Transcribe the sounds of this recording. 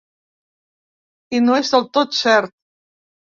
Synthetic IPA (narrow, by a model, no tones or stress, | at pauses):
inoezðelt̪ot̪sɛɾt̪